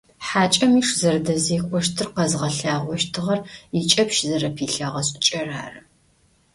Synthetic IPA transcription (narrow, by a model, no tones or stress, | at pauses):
ħaːt͡ʃʼɐmiːʂzɐrdɐziːkʷʼɔʃtʰɨrqɐzʁɐɬaːʁʷɔʃtʰɨʁɐrit͡ʃʼɐpʃzɐɾɐpʰiːɬɐʁɐɕʼɪt͡ʃʼɐraːrɨ